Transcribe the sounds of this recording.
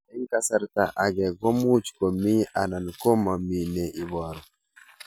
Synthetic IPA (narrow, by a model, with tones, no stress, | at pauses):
ɛ˦ŋka˨sa˨ɾta˨ʔa˨ɡɛ˨ɡo˦mu˦t͡ʃko˨mi˦a˨na˨nko˦ma˨mi˨ne˨ʔi˨bɔ˨ɾɔ˨